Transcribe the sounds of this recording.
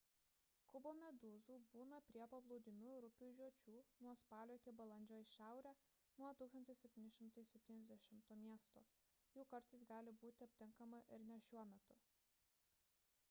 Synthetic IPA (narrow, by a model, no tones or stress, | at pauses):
kʊboːmʲɛd̪uːzuːbuːnɐpʲɾʲiɛpɐblˠɔʊd̪ʲɪmʲuːɾʊpʲuːʒʲuɔt͡ʃʲuːnuɔspɑːlʲoːɪkʲɪbɐlˠɐnʲd͡ʒʲoːjʃʲæˑʊɾʲæː | nuɔt̪uːksɐnt̪ʲɪsʲɛpʲt̪ʲiːnʲɪʃʲɪmt̪ɐɪsʲɛpʲt̪ʲiːnʲɛzʲd̪ʲɛʃʲɪmt̪oːmʲiɛst̪o̰ː | juːkɐɾt̪ɐɪs̬ɡɑːlʲɪbuːt̪ʲɪɐpʲt̪ʲɪŋkɐmɐʔɪɾnʲɛʃʲuɔmʲɛt̪ʊ